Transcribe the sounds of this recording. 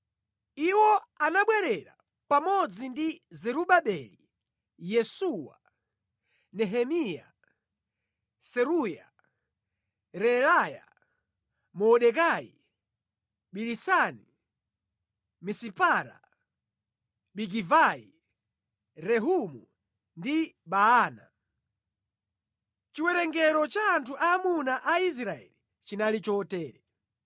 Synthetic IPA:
iwɔanaɓwɛɾɛɾa̰ | pamɔd͡zindizɛɾuɓaɓɛli | jɛsuwa̰ | nɛɦɛmija̰ | sɛɾuja | ɾɛɾaja̰ | mɔːɗɛkaḭ | ɓilisani | misipaɾa̰ | ɓiɡivaḭ | ɾɛɦumu | ndiɓaaːna | t͡ʃiwɛɾɛŋɡɛɾɔt͡ʃaːntʰuʔaːmunaʔais̬ɾaɛ̰li | t͡ʃinalit͡ʃɔtɛːɾɛ

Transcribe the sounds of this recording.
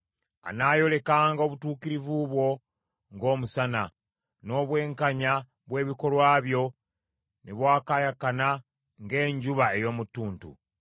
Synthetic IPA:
a̰najo̞le̞kaːŋɡao̞βutuːkiɾivuβwo̞ | ŋɡo̞ːmusana | no̞βwe̞ːŋkaɲa | βwe̞ːβiko̞lwaːβjo̞ | neβwaːkajakana | ŋɡe̞ːɲɟuβae̞jo̞ːmutːuːntṵ

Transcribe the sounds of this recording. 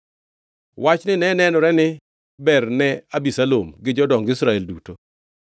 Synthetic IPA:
wat͡ʃnɪnɛnɛnɔɾɛnɪ | bɛrnɛabisalomɡɪd͡ʒɔdɔŋɡɪsɾaɛlduto

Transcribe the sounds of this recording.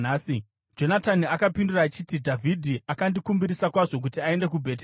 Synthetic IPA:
naːsi | d͡ʒo̞nataniakapinduraːt͡ʃitidʱavʱidʱiakandikumbiɾisakwaʐo̞k̬utiae̞nde̞k̬ubʱe̞t̬ː

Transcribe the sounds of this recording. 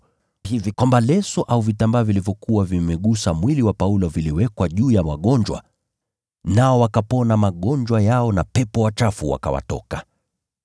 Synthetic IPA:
hivikwambalɛsɔʔauvitambaːvilivjɔkuwavimɛɠusamwiliwapaulɔviliwɛkwaʄuːjamaɠɔɲd͡ʒwa̰ | naɔwakapɔnamaɠɔɲd͡ʒwajaɔnapɛpɔwat͡ʃafuwa̰ka̰wa̰tɔ̰ka

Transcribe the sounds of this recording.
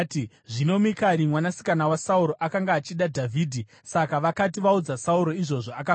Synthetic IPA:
t | ʐino̞mikaɾimwanasi̥kanawasauɾo̞ʔakaŋɡaːt͡ʃiɗadʱavʱiːdʱi | sakaʋakatiʋaud͡zasauɾo̞iʐo̞ʐoaka

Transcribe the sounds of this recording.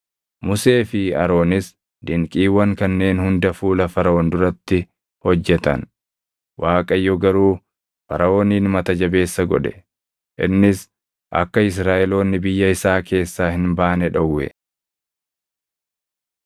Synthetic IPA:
mʊse̞ːfɪɐ̰ɾo̞ːnɪs | d̪ɪŋkʼiːwɐŋkɐnːe̞ːnhʊnd̪ɐfuːlɐfɐɾɐoːnd̪ʊɾɐt̪ːɪ | hɔd͡ʒːɛt̪ɐ̰n | wʔaːkʼɐjːɔɡɐɾuː | fɐɾɐo̞ːniːnmɐt̪ɐd͡ʒɐbe̞ːsːɐɡɔᶑɛ̥ | ʔɪ̰nːɪs | ʔɐ̰kːɐɪs̬ɾaːʔɛlo̞ːnːɪbɪjːɐɪsaːke̞ːsːaːhɪnbaːnɛᶑɐwːɛ̰

